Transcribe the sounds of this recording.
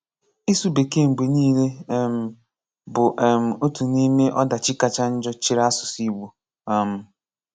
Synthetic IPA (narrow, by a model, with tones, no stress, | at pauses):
i˦su˦be˨ke˦˨ŋ͡m̩˨ɡ͡be˨niː˦le˦m̩˨ | bʊ˨ʔm̩˨o˦tu˨ni˦me˦ʔɔ˦da˨t͡ʃɪ˦ka˨t͡ʃa˦n̩˦d͡ʒɔ˦t͡ʃi˦ɾa˦sʊ˨si˦ɡ͡bu˨ | a˨m̩˦